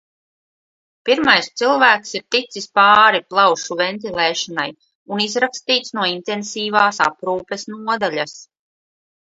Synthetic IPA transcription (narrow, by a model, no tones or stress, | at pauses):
piɾmajst̪silˠvæːksiɾt̪it̪sispɑːɾiplˠawʃuvɛnt̪̬ilˠeːʃanaj | unizɾakst̪iːt̪snuɔint̪ensiːvaːsa̰pɾuːpesnuɔd̪aʎʲas